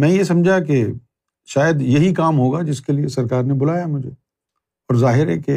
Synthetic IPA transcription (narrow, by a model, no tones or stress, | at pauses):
mɛ̃ːjes̬ɐ̃md͡ʒʱak̬e | ʃaːjəd̪jɐɦikaːmɦoːɡad͡ʒɪskeliesɐɾkaːɾnebʊlaːjamʊd͡ʒʱḛ | ɔːɾzaːɦɪɾeke